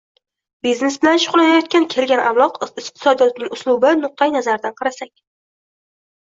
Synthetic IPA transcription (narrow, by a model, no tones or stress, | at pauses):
bizne̞sbɪlanʃʊʁlˠanajɒt̪̚kʲankʲʰe̞lɡʲanʔa̰mlˠɒqɪqt̪ʰɪ̥sɒd̪ijɒt̪̚nɪŋʲʊslˠʊbɪnʊq̚t̪ʰajnazaɾɪd̪anqʰɑɾasakʲ